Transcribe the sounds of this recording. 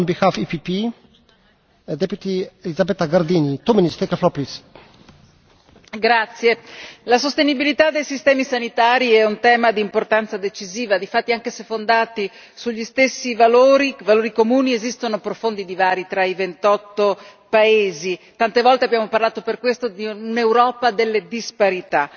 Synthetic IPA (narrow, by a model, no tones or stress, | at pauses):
ɔnbihafipipi | d̪ɛpjut̪ielizabɛt̪ːaɡaɾd̪iːnit̪ɔminist̪ekəflɔplis | ɡɾat̪sːjelasost̪enibilit̪ad̪ejsist̪ɛːmisanit̪aːɾiɛunt̪ɛːmad̪iːmport̪ant̪sad̪et͡ʃiziːvad̪ifat̪ːiaŋkesefond̪aːt̪i | suʎːist̪esːivaloːɾivaloːɾikomuːniezist̪onopɾofond̪id̪ivaːɾit̪ɾaivent̪ɔt̪ːopaeːzit̪ant̪evɔlt̪eabːjaːmopaɾrlaːt̪operkwest̪od̪iunewɾɔːpad̪elːed̪ispaɾit̪a